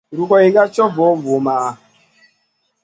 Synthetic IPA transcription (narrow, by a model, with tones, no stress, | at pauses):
ɾu˨kɔ˨i˨ɡa˦t͡ʃɔ˦vɔ˨˦vo˨ma˨a˨